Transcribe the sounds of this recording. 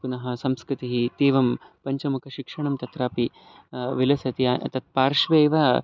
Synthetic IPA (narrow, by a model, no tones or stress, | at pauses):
punɐɦɐ̆sɐmskɾɪt̪iɦit̪eːʋɐmpɐɲt͡ʃɐmukʰɐʃikʂɐɳɐmt̪ɐt̪ɾaːpi | ʋilɐsɐt̪iat̪ɐt̪̚paːɾʂʋeːʋɐ